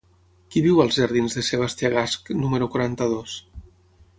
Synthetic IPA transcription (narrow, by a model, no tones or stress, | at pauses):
kiβiwəlˠzʒəɾðinzðəseβ̞ast̪jaɣasknuməɾukwaɾant̪əð̞os